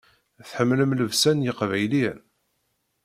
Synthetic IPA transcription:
θħəmːləmləvsænjɪqvæjliɾ

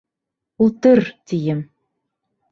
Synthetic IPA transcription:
ulˠt̪ɤɾt̪ijɘm

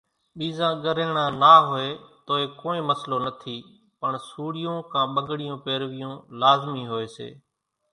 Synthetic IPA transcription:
ɓiːzãːɠəɾeːɳãːnaːɦoːeːt̪oːeːkoːẽːməsloːnət̪ʰiː | pəɳsuːɽɪjõːkʰãːɓəŋɡɽɪjõːpeːɾʋɪjõːlaːzmĩːɦoːeːsḛː

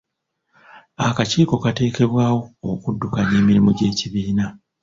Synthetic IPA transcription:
akaciːko̞kate̞ːke̞βwaːwo̞ːkudːukaɲeːmiɾimuɟe̞ːciβiːna

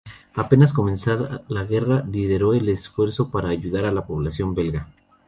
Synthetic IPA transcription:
ape̞nasko̞mẽ̞nsaðalaɣe̞raliðe̞ɾo̞e̞lesfwe̞ɾso̞paɾaːʝuðaɾalapo̞β̞lasjo̞mbe̞lɣa

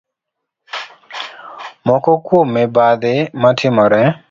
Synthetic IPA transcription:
mɔkokomebad̪ematʰemɔɾɛ

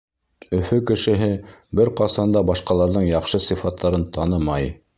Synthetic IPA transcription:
ɵ̆fɵkɘ̆ʃɘ̆ɦɘbɘɾqɑsɑnd̪ɑbɑʃqɑlˠɑɾðɤɴjɑqʃɤsɤ̆fɑt̪ʰːɑɾɤnt̪ɑnɤmɑj

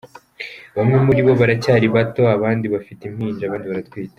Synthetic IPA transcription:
βamŋe̞muɾiβo̞βaɾacaːɾiβato̞aβaːndiβafitim̥hiːnd͡ʒaːβaːndiβaɾatwiːte̥

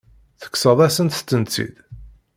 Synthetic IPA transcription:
θə̥kːsəðˤæsənt̪t͡sːənt͡sḭd̪

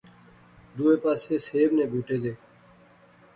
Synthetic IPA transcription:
ɖ̪uːeːpaːseːseːbnẽːbʱuːʈeːd̪eː

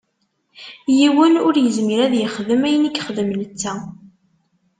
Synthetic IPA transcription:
jiwənʊɾjəzmiɾæðjəχðəmæjənækːχəðəmnət͡sːæ

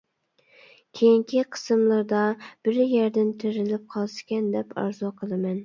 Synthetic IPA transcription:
kʲʰejiŋkʲʰiqʰə̥sɨmlˠɨɾd̪ɑb̥ɪɾjɛɾd̪ɪnt̪ʰeɾɪlɪp̚qʰɑlˠʃkʲɛnd̪ɛpʰɑ̰ɾzuqʰəlˠɨmɛn

